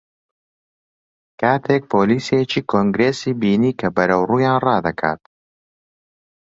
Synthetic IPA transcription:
kʰaːt̪ʰek̚pʰoːliːsijet͡ʃiːkʰoŋɡɾeːsiːbiːniːkʰɐbɐɾɐwruːjaːnrɑːd̪ɐkʰa̰ːt̪

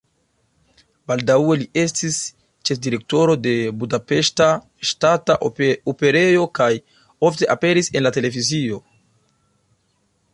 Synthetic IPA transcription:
baldawe̞lie̞stis | t͡ʃe̞fdiɾe̞k̚to̞ɾo̞de̞budape̞ʃta | ʃtataope̞ɾe̞jo̞kaj | o̞fte̞ʔape̞ɾise̞nlate̞le̞vizio̞

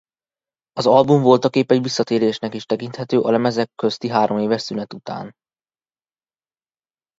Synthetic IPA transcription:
ɒzɒlbuɱvo̞lt̪ɒkeːpɛɟʋisːɒt̪eːɾeːʃnɛkiʃt̪ɛkint̪hɛt̪øːʔɒ̰nɛmɛzɛkːøst̪iɦaːɾo̞meːvɛʃsynɛt̪ut̪a̰ːn

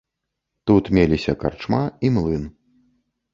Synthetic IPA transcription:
t̪ut̪mʲelʲisʲɐka̰rt͡ʂmaimlˠɨn

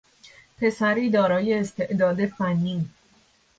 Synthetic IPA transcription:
pʰe̞sæɾiːd̪ɒːɾɒːje̞ːst̪ʰe̞ʔd̪ɒːd̪e̞fænːiː

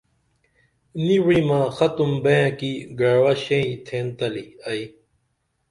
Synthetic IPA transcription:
niwimãːxɐt̪umbẽjãkiɡɐɽwaɕẽĩt̪ʰẽːnt̪ɐliɐi

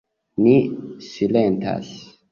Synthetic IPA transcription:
nisilenta̰s

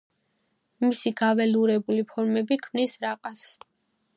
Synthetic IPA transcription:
misiɡavɛluɾɛbulipʰɔɾmɛbikʰmnisɾaqʼas

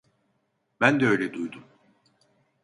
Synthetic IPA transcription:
bænd̪ɛø̞jlʲed̪ujd̪um

